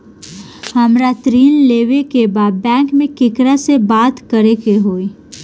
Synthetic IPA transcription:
həmɾat̪ɾiːnleːʋekebaːd̪̚bɛ̃ːŋkmẽkɪkɾasebaːt̪kəɾekeɦoːi

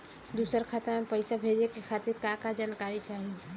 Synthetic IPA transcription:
d̪uːsəɾkʰat̪əɾmepəɪsabʱeːd͡ʒekexʰaːt̪ɪɾkãːkad͡ʒaːnkaːɾit͡ʃaːɦi

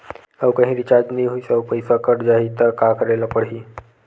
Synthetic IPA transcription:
əwkə̃ɦĩɾit͡ɕaɾd͡ʒniɦujsəwpəjsakəɽd͡ʑaɦit̪əɾkakəɾajlapəɽɦiː

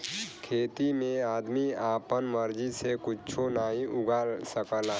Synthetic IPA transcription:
kʰeːt̪imẽaːd̪miaːpənməɾd͡ʒisekʊt͡ʃʰonaːɦĩʊɡaːlsəkəla

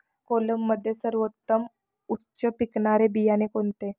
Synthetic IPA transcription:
koləmːəd̪ʱːjesəɾʋot̪ːəm | utːɕəpikɳaɾebijanekont̪e

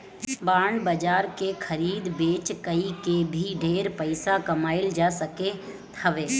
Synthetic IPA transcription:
baːɳbəd͡ʒaːɾkexʰəɾiːd̪beːt͡ʃkəikebʱiɖʱeːɾpəɪsakɐmaːɪld͡ʒaːsəke | t̪ʰəʋeː

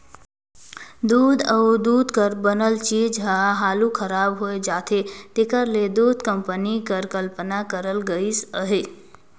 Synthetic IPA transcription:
d̪uːd̪əwd̪uːd̪ʱkəɾbənəlt͡ʃiːd͡ʒɦaɦaːlukʰəɾaːbɦoed͡ʒaːt̪ʰet̪ekəɾled̪uːd̪ʱkəmpənikəɾkəlpənakəɾəlɡəisəɦe

